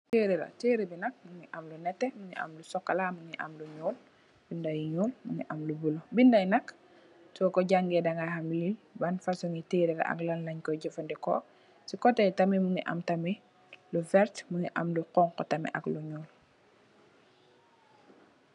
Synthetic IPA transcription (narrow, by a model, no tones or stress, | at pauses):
teːɾiɾɐ̰teːɾibinɐk̚muŋiʔɐmlunɛtːɛmuŋḭʔɐ̰mlusɔkːalamuŋiʔɐ̰mluɲɔːl | b̥indajɲuːlmuŋḭʔɐmlubulobindajnɐk | tɔkɔɟaŋɡɛdaŋahamlilbɐnfasuŋiteɾiɾa̰ʔɐ̰klɐnlɐɲkɔɟəfandɛkɔ̰ | sikɔtɛjtɐmimuŋiʔɐ̰mtɐmi | lufɛɾtmuŋiʔamluqɔŋkɔtɐmɛ̰ʔɐkluɲuːl